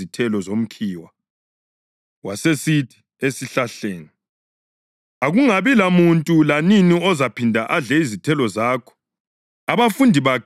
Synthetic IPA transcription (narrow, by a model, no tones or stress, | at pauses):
itʰɛlɔzom̩kʰiːwa | wasesitʰi̥ | esiɬaɬeːni | aɣuŋaβilamuntʼulaniniɔzapʰindʱaʔaɮɛizitʰɛlɔzaːkʰɔ̥ | aβafundʱiβakʰ